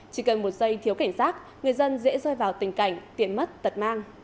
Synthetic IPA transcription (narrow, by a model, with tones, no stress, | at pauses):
t͡ɕi˧˩kə˨˩nmo˨˩t̚zə˧jt̪ʰi˨˦əwka˧˩jŋ̟saː˦˥t̚ | ŋɨ˨˩əjzə˧nzɛ̰˧˥zɔ˧jvaː˨˩wt̪ï˨˩ŋ̟ka˧˩jŋ̟t̪i˨˩əmmə˦˥t̚t̪ə˨˩t̚maː˧ŋ